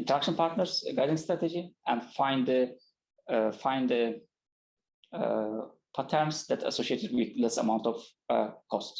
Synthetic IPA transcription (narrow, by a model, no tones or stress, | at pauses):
ɪ̃ntəɾækʃə̃npʰaɾt̪nəɾsɡajdĩŋst̪ɾæt̪ed͡ʒiæ̃nfãj̃ndd̪ə | fãj̃ndd̪ə | pʰat̪ʰɛɾnsd̪ætʰa̰soʃietedwɪðlɛsa̰mãwntɔv | kʰɔst